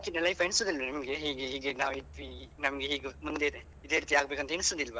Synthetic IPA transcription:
akinːɐlɐjpʰɐiɳsoːd̪ilʋɐnɐmɡeɦiːɡeɦiːɡenaːʋit̪ʋinɐmɐɡeɦiːɡumund̪e | id̪eːɾiːt̪iaːɡbeːkɐnt̪ɐiɳsoːd̪ilːʋɐ

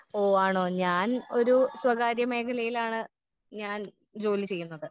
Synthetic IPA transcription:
oːaːɳo̞ːɲaːno̞ɾuswɐɡaːɾjɐme̞ːkʰɐlɐjilaːɳɨ | ɲaːn | d͡ʑo̞ːlit͡ɕe̞jːunːɐðɨ

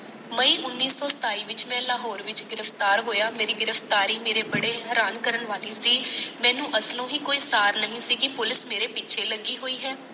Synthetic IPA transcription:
məiːʔʊnːiːsɔːsə̥t̪aːiːʋɪt͡ʃmɛ̃ːlaːɦɔːɾʋɪt͡ʃɡɪɾəft̪aːɾɦoːjaːmeːɾiːɡɪɾəft̪aːɾiːmeːɾeːbəɽeːɦɦɛːɾaːnkəɾəɳʋaːliːsiːmɛ̃ːnũːʔəslõːɦĩːkoːiːsaːɾnəɦĩːsiːkɪpʊlɪsmeːɾeːpɪːt͡ʃʃʰeːləɡiːɦoːiːɦɛː

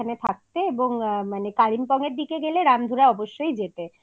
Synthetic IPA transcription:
anet̪ʰak̚t̪eeboŋmanekaɾimpɔŋeɾd̪ikeɡeleɾamd̪ʱuɾaɔboʃːojd͡ʑet̪e

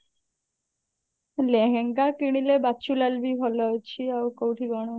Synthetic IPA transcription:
lɛɦɛŋɡakiɽ̃ilebat͡ʃulalbʱibʱɔlɔjt͡ɕʰiawkowʈʰiɡɔɽ̃o

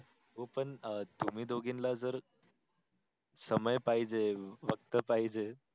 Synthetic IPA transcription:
ɦopəɳt̪um̤iːd̪oɡinlad͡zəɾ | səməjpaɦid͡zeʋək̚t̪əpaɦid͡ʑe

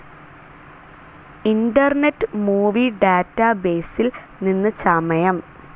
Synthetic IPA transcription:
inɖɐrneʈːɨmuːʋiɖaːtːɐbe̞ːsil | ninːɨt͡ɕɐmɐjɐm

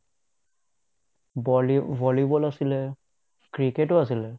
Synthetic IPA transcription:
vɔlibɔlasilɛ | kɹiketɔas̬ilɛ

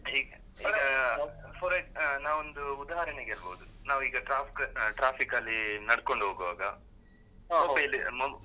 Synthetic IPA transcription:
iːɡɐː | ɡɐpʰɔɾɐnaːʋond̪uud̪ɐɦɐɾɐneɡeɐlbɐːud̪unaːʋuiːɡɐʈɾaːpʰikɐʈɾaːpʰikɐlːinɐɽko̞ɳɖɦoːɡuʋaːɡɐ | ɐbɐlːimo

